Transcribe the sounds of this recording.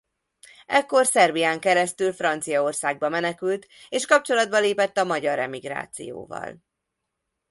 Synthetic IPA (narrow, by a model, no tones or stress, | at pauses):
ɛkːo̞rsɛrbijaːŋkɛɾɛst̪ylfrɒnt̪sijɒorsaːɡ̚bɒmɛnɛkylt̪eːʃkɒp̚t͡ʃo̞lɒd̪̚bɒleːpɛt̪ːɒmɒɟɒɾɛ̰miɡɾa̰ːt̪sḭjo̰ːvɒ̰l